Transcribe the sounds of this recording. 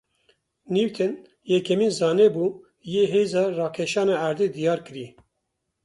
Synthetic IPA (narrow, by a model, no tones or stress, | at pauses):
niwt̪ʰɛn | jɛkʰɛmiːnzɑːneːbuː | jeːɦeːzɑːrɑːkʰeʃɑːnɑːæɾd̪eːd̪ijɑːɾkɨɾi